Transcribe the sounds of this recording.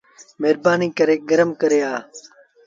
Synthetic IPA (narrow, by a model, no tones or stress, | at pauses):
meːɾbaːniːkəɾeːɡəɾəmkəɾeːaː